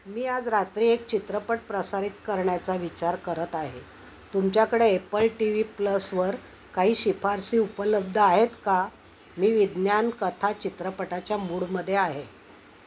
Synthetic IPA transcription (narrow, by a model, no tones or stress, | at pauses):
miːad͡zɾat̪ɾiːek̚t͡ɕit̪ɾəpəʈ̚pɾəsaɾit̪kəɾɳjat͡saʋit͡ɕaɾkəɾət̪aɦe | t̪umt͡ɕjakəɽeepəlʈiʋipləsʋəɾ | kaɦiːɕipʰaɾsiːupələb̚d̪ʱəaɦet̪ka | miːʋid̪njankət̪ʰat͡ɕit̪ɾəpəʈat͡ɕjamuːɭməd̪ʱːjeaɦe